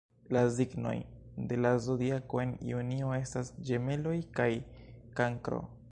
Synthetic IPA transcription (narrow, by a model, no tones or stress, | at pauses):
laziɡno̞̰jde̞lazodiako̞e̞nḭunio̞e̞stasd͡ʒe̞me̞lo̞jkajkaŋkɾo̞̰